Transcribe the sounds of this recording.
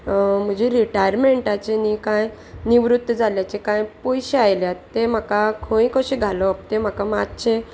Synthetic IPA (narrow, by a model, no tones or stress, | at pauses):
m̤əd͡ʑeɾiʈajɾmeɳʈat͡ɕenikãj | niʋɾut̪ːəd͡zʱaljat͡ɕekãjpojɕeajljatt̪ːem̤akakʰoĩkəɕiɡʱalɔp̚t̪em̤akamat̪̚t͡ɕʰe